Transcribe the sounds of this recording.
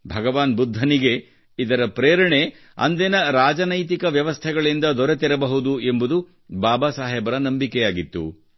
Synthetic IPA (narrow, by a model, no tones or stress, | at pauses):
bʱɐɡɐʋaːnbud̪ʱːɐniɡe̞ | id̪ɐɾɐpɾeːɾɐɳe̞ | ɐ̰nd̪enɐɾaːd͡ʒɐnɐjt̪ikɐʋjɐʋɐst̪ʰɛɡɐɭind̪ɐd̪ɔɾet̪iɾɐbɐɦud̪ue̞mbud̪u | baːbasaːɦɛːbɐɾɐnɐmbikɛjaːɡit̪ːṵ